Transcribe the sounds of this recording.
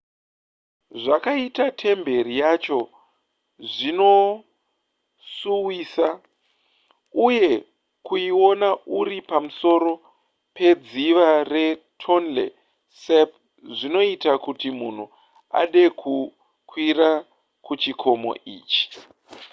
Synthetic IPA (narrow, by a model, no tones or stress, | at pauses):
ʐakaitatʰe̞mbe̞ɾijat͡ʃo̞ | ʐino̞ | suwiːsa | uje̞ | kuio̞nauɾipamuso̞ɾo̞ | pe̞d͡ziʋare̞tʰo̞nlḛ | sep | ʐino̞itakutimun̤u | a̰ɗe̞kʰu | kwiɾa | kut͡ʃikʰo̞mo̰ʔḭːt͡ʃi̥